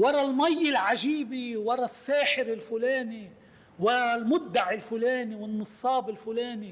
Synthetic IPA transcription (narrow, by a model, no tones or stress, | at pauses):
wɑɾˤɑlmajːɪlʕaʒiːbiwɑɾˤɑsːaːħɪɾɪlfʊleːni | wɑɾˤɑlmʊd̪ːaʕɪlfʊleːniwɪnːɨsˤːɑːbɪlfʊleːni